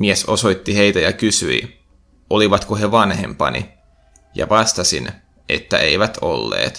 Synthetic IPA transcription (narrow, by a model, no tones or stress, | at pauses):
mieso̞so̞jt̪ːihe̞jt̪æjɑkysyi | ʔoliʋɑt̪koɦeʋɑnhḛmpɑ̰nḭ | jɑ̰ʋɑst̪ɑsin | ʔḛt̪ːæʔeiʋæt̪ʰolːḛːt̪